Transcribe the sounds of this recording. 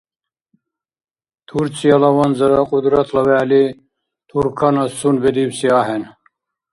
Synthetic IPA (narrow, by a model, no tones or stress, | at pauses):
t̪ʰuɾt͡sijɐlɐwɐnzɐɾɐqʼud̪ɾɐt̪ʰlɐwæːli | t̪ʰuɾkʰɐnɐsunbed̪iwsiaɦen